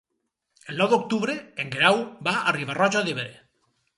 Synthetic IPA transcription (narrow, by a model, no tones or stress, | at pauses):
elnɔwðok̚t̪uβɾeeŋɡɾawbaariβarɔʒaðiβeɾe